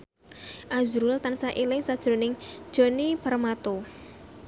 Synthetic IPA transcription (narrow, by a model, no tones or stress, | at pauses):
ʔazɾʊlt̪ansaʔilɪŋsad̥ʒ̥ɾo̤nɪŋd̥ʒ̥o̤nipəɾmat̪o